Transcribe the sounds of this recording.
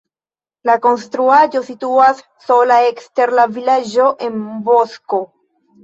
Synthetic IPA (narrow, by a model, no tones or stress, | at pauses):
lako̞nstɾuad͡ʒo̞situasːo̞laekste̞ɾlavilad͡ʒo̞ʔe̞nbosko̞